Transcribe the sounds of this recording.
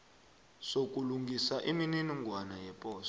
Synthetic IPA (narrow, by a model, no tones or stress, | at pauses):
sokʼuluŋɡʱisaʔinininiŋɡʱwanajɛpʼɔːs